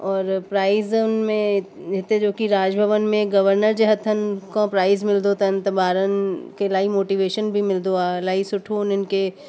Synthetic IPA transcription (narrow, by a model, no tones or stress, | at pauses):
ɔːɾpɾaːɪznmẽɪt̪ẽd͡ʒoːkiɾaːd͡ʒbʱəʋənmẽɡɐʋəɾnəɾd͡ʒeɦɐt̪ʰənkɔ̃ːpɾaːɪzmɪld̪ot̪ɐnt̪ɐbaːɾənkelaːimoːʈiʋeːʃənbʱimɪld̪oaːlaːisʊʈʰoːnɪnke